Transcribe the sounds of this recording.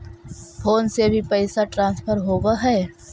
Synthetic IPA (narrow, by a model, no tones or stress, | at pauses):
pʰoːnsebʱipɛɪsaʈɾãːnspʰəɾɦoːɡaɦɛː